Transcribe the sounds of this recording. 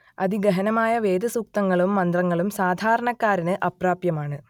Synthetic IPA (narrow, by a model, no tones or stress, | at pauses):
ɐ̰d̪iɡɐɦɐnɐmaːjɐʋe̞ːd̪ɐsuk̚t̪ɐŋːɐɭumːɐnd̪rɐŋːɐɭumsaːd̪ʱaːɾɐɳɐkːaːɾinɨʔɐpraːpjɐmaːɳɨ